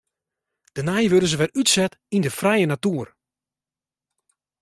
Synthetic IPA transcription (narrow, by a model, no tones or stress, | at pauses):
d̥ənɛjʋødəzəʋɛrytsɛtindəfrɛjənatuːər